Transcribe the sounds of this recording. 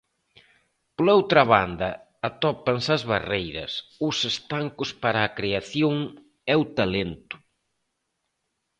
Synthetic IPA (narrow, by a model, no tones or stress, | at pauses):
plowt̪ɾɐβa̰nd̪ɐː | t̪ɔpɐnsɐzβarejɾɐ̰sʊsest̪aŋkʊspaɾɐːkɾeaθjoŋ | ɛwt̪alent̪ʊ̥